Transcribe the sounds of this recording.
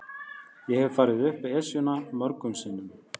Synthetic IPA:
jɛɣhɛvfaːɾɪðʏhpɪɛsjʏnamœɾkʏmsɪnːʏm

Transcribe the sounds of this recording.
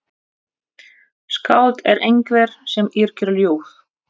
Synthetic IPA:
skaːwt̪ɛɾʔejŋkvɛɾ̥sɛmiɾ̥cʏɾljoːwθ

